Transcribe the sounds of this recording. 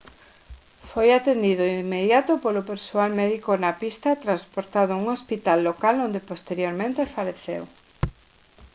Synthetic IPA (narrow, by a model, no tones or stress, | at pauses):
fojat̪end̪ið̞ʊimːeðjat̪ʊpolʊpeɾsoalmɛðikonɐpist̪ɐt̪ɾanspoɾt̪aðʊuŋospit̪alːokalond̪epost̪eɾjoɾmẽnt̪efaleθḛw